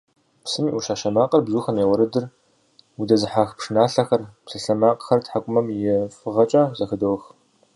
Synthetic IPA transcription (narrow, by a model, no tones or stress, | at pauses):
psɨmiːʔuʃaːʃɐmaːqʼɐrbzuːxɐmeːwʷɐɾɨdɨr | udɐzɨħaxpʂɨnaːɬɐxɐrpsɨɬɐmaːqʼəxɐrtħakʷʼʊmɐmjɪfɨʁɐt͡ʃʼaːzɐxɨdowx